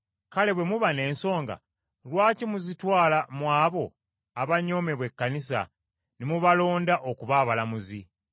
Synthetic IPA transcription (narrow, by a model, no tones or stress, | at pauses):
kale̞βwe̞muβane̞ːnso̞ːŋɡa̰ | lwaːcimuzitwaːlamwaːβo̞ | aβaɲːo̞me̞βwe̞kːanis̬a̰ | nimuβalo̞ːndaʔokuβaːβalamuzi